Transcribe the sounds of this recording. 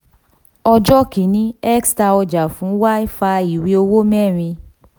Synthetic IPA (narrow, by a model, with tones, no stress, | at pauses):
ɔ˧d͡ʒɔ˦ki˨˦nĩ˦ɛ˦ksta˧ɔ˧d͡ʒa˨fũ˨˦wa˦i˦fa˧i˨wi˧˦o˧wo˦mɛ˦˨ɾ̃ĩ˧